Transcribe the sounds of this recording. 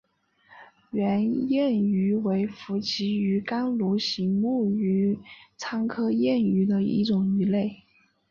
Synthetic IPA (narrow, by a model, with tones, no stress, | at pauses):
ɥɛ˧˥njɛ˥˩ny˧˥we˧˥ɪfu˧˥t͡ɕʰi˧˥y˧˥ka˥nlu˧˥ɕi˧˥ŋmu˥˩y˧˥t͡sʰɑ˥ŋkʰɤ˥jɛ˥˩ny˧˥d̪ə˧ḭ˥˩ʈ͡ʂʊ˨˩ŋy˧˥le˥˩ɪ